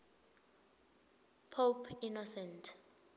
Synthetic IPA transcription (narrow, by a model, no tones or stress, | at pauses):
pʰopʰinɔsɛntʰ